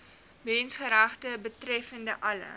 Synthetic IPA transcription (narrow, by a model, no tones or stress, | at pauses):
mɛnsχəɾaχtəbətrɛfəndəʔɐlə̰